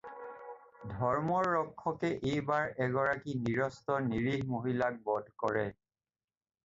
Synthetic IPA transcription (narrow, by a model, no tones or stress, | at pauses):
dʱɔɹmɔɹːɔkʰːɔkɛʔejbaɹɛɡɔɹakiniɹɔstɔniɹiɦmoɦilak̚bɔdʱkɔɹɛ